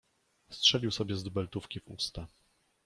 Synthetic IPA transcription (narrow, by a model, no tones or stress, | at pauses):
stʂɛlʲiwsɔbʲjɛzd̪ubɛlt̪ufkʲivṵst̪a